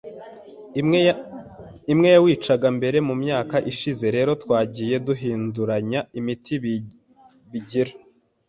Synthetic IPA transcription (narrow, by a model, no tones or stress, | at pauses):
imŋe̞jawiːt͡ʃaɡambe̞ɾe̞mumɲaːkaʔiʃize̞ɾe̞ːɾo̞twaːɟije̞duɦiːnduɾaɲaimitʰi | βiɟiɾa